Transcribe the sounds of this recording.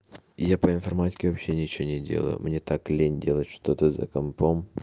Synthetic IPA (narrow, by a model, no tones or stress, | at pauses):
japəɪnfɐrmatʲɪ̥kʲɪvɐpɕːe̞nʲt͡ɕɪvonʲɪdʲḛlˠə̰jʊ̰mnʲet̪aklʲenʲdʲe̞lˠət̪ʲʂt̪ot̪əzɐ̰kɐmpom